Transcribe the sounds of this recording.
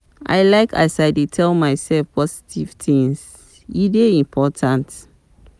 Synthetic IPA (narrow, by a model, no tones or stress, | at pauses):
ʔa̰ɪlaɪkʰasaɪdetʰɛlmaɪsɛlfpɔsi̥tʰiv̥tĩŋs | ideĩmpʰɔtʰãnt